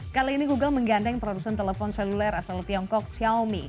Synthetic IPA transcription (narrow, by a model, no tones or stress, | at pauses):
kaliːniɡuɡəlməŋɡandɛŋpəɾaɾusant̪eləfɔnselulɛɾasalt̪iɔŋkɔk̚siaomi